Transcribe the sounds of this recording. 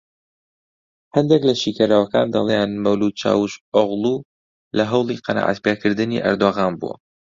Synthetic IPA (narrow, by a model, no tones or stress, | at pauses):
hɛnd̪eklɐʃikaɾawɐka̰ːnd̪ɐlˠejanmɐwlud̪̚t͡ʃa̰ːwuʃoɣlˠu | lɐɦɐwlˠiqʰɑna̰ːʕa̰t̪pekɨɾd̪ɨnḭʔɐ̰ɾd̪oɣaːnbṵwɐ̰